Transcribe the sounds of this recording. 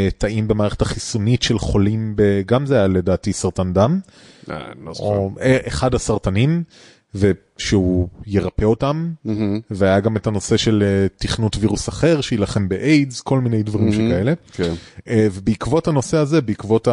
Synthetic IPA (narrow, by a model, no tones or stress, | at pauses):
taimbemaːʁeetaχisunitʃe̞lχo̞limbe̞ɡamzeajaledaːtisaʁtandam | a̰ooeʔeχadasaʁtanim | ve | ʃeuje̞ʁapeo̞tam | veajaɡametano̞se̞ʃe̞letiχnutviʁusɐχe̞ʁʃejilaχe̞mbeʔejdzko̞lminejdvaʁimʃekaele̞kenvebeikvo̞thano̞seaze̞beikvo̞ta